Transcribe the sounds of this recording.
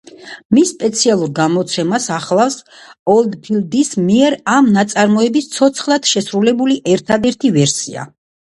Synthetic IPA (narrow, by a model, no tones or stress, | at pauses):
misːpʼɛt̪sʰialˠuɾɡamɔt̪sʰɛmasaχlˠafs | ɔlˠd̪pʰild̪ismiɛɾamnat̪sʼaɾmɔɛbist̪sʰɔt̪sʰχlˠad̪̥ʃɛsɾulɛbuliʔɛɾt̪ʰad̪ɛɾt̪ʰivɛɾsḭa̰